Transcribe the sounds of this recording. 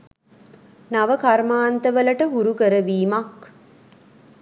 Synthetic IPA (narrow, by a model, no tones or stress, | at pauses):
naʋəkaɾmaːnt̪əʋələʈəɦuɾukəɾəʋiːmak